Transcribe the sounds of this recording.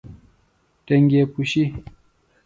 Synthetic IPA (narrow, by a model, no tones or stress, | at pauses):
tɛŋɡʲekuʃi